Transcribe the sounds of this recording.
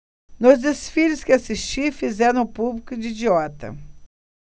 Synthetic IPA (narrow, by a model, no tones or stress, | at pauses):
nʊzd̪esfilʊskɪasist͡ʃifizɛɾɐ̃publikʊd͡ʒɪid͡ʒiɔt̪ɐ̰